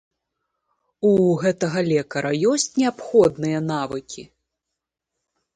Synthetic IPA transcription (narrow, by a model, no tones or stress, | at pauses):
uɣɛt̪ɐɣɐlʲɛkɐɾɐjɔsʲt͡sʲnʲɛapxɔd̪nɨjɐnavɨkʲʰi